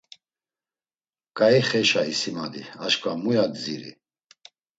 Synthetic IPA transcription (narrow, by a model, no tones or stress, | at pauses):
kʼaiχɛʃaisimad̪iaʃkʼamujad͡ziɾḭ